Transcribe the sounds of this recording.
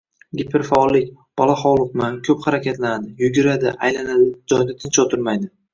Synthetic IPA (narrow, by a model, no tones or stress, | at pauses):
ɡʲipʰɪɾfaɒlˠːɪkʲ | b̥ɒlˠaχɒwlˠɨqmakʲʰɵphaɾakʲʰat̪lanad̪ɪjʊɡʲɪɾad̪ɪʔajlanad̪ɪd͡ʒɒjd̪at̪ʰɪnt͡ʃot̪ʰʊɾmajd̪ɪ